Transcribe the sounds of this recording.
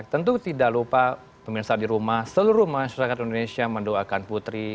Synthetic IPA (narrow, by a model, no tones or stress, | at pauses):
t̪ənt̪ut̪idaʔlupa | pəmirsadiɾumahsəluɾumaaʃaɾakat̪indonesiaməndoakanput̪ɾi